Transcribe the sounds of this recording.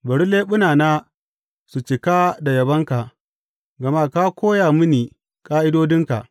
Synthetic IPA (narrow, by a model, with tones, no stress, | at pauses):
bɐ˨ɽu˦leː˦ɓʊ˦naː˨naː˦ | su˨t͡ʃɪ˨ka˦da˨jɐ˨bɐ˦ŋka˨ʔ | ɡɐ˨ma˦ka˦kʷoː˦jaː˨mʊ˦niː˨ | kʼaː˦ʔɪ˦doː˦dɪ˦ŋka˨ʔ